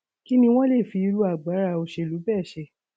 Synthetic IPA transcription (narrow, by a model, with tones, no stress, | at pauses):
ki˦nĩ˧w̃ɔ̃˦le˦˨fi˧˦i˧ɾu˧˦a˨ɡ͡ba˨˦ɾa˧˨o˧ʃe˧˨lu˨˦bɛː˦˨ʃɛ˧